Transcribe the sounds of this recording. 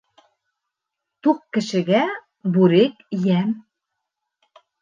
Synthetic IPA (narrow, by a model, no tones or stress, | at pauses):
t̪uqːɘ̆ʃɘ̆ɣæ | buɾekjæm